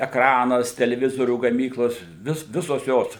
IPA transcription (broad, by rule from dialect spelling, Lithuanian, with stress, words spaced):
ɛkˈrɑːnɐs tʲɛlʲɛˈʋʲɪzoːrʲuː ɡɐˈmʲiːklˠoːs ˈʋʲɪs ˈʋʲɪsoːs ˈjoːs